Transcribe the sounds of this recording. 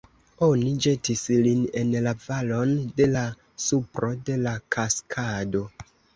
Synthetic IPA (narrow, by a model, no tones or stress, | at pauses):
o̞nid͡ʒe̞tisline̞nlavalo̞nde̞la | supɾo̞de̞lakʰaskʰado̞